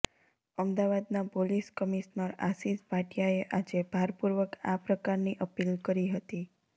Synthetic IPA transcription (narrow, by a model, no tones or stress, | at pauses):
əmd̪aʋad̪napoliskəmiʃnəɾa̰sispaʈjaeʔad͡ʒebʱaɾpuɾʋəkapɾəkaɾniʔəpilkəɾiɦət̪i